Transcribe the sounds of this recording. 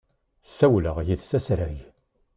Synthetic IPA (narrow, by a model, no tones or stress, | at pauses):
sæwləʁjiðsæsɾæʝ